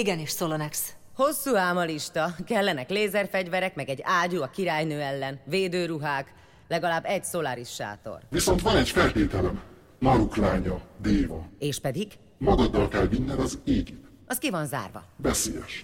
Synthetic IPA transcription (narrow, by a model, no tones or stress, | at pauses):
iɡɛniːʃsolonɛksho̞sːuːaːmɒliʃt̪ɒkɛlːɛnɛkleːzɛrfɛɟvɛɾɛkmɛɡɛɟːaːɟuɒkiɾaːjnøːɛlːɛnveːd̪øːɾuɦaːk | lɛɡɒlaːbːɛɟsolaːɾiʃːa̰ːt̪o̞̰rviso̞nt̪ʋɒnɛɟfɛlt̪eːt̪ɛlɛm | nɒɾuklaːɲɒd̪eːvɒeːʃpɛd̪iɡ | mɒɡɒd̪ːɒlkɛlminːɛnɒzeːɡit̪ | ɒskivɒnza̰ːrvɒ̰vɛseːjɛʃ